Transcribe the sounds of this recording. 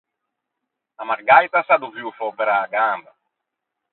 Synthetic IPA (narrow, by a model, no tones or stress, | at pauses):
amaɾɡajt̪asad̪uviwfɔpeɾaːɡamba